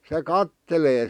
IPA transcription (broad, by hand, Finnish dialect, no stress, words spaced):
se kɑtːeleː